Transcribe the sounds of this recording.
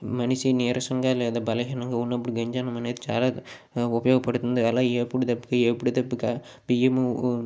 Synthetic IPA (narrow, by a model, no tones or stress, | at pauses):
mɐnɪsineːɾɐsɐŋɡaːlɐnd̪ɐbɐlɐɣɐnɐŋɡɐʊnːɐpːɐɽiɡɐɲd͡ʒaːnɐmɐnɐt̪t͡ʃːala | ʊpɐjoːɣɐpːɐɽɯt̪ːɯnd̪ɯɐlãːepɯɽɯt̪ɐpːɯkːaɛpːɐɽɯt̪ɐpːɯkːa | biɛm